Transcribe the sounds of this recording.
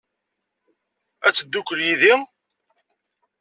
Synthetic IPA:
æt͡sːəd̪ːukːəɾjiði

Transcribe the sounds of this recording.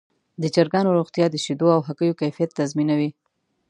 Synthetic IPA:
d̪əd͡ʒaɾɡɑnoɾoɣt̪jɑd̪əʃid̪oawɦakəjokajfijat̪ːazminawi

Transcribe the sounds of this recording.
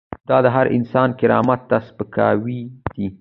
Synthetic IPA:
d̪̥ɑd̪əɦaɾʔɪ̰nsɑnkɪɾɑ̰mat̪ːaspəkʰɑ̰wid̪̥i

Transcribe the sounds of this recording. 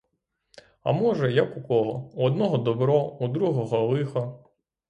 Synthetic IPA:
ɐ̰mɔʒɛjɐkukɔɦɔuɔd̪nɔɦɔd̪ɔbɾɔud̪ɾuɦɔɦɔlˠɪxɔ

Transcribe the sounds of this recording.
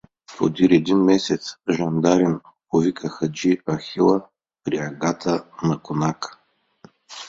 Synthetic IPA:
po̰d̪iɾɛd̪inmɛsɛt̪sʒɐnd̪aɾɛn | povikʰəxɐd͡ʒiɐxilˠə | pɾiɐɡat̪ʰənɐkonakə̥

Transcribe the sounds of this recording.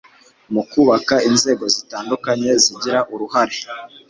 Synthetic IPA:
mukuːβakainze̞ːɡo̞zitaːndukaɲe̞ziɟiɾaʔuɾuhaɾe

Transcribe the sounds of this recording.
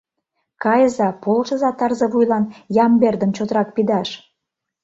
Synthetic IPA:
kɑjəzɑpolʃə̆zɑt̪ɑrzəβujlɑnjɑmberd̪əmt͡ɕot̪əɾɑk̚pid̪ɑʃ

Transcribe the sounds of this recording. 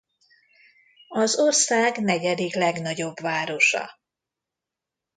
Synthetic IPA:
ɒzo̞rsaːɡnɛɟɛd̪iklɛɡnɒɟo̞bvaːɾo̞ʃɒ̰

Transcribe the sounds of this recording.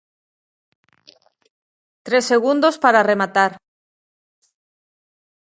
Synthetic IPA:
t̪ɾesːeɣund̪ospaɾaremat̪aɾ

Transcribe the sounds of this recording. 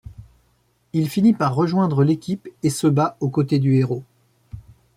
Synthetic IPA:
ilfinipaʁːəʒwɛ̃d̪ʁəlekʲipesəbaokot̪ed̪yeʁo

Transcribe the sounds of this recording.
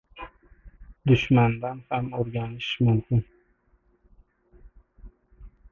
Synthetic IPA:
d̪ʊʃmand̪anhamoɾɡʲɑnɪʃmʊmkʰʲɪn

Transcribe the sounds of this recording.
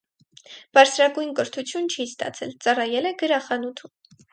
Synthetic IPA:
b̥ɑɾt͡sʰɾɑɡujnkəɾt̪ʰut͡sʰjunt͡ʃʰist̪ɑ̰t͡sʰɛlt͡sɑrɑjɛlɛɡəɾɑχɑnut̪ʰu

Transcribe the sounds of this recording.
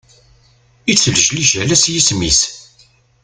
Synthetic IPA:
it͡sːəlʒliʒælæsjismis

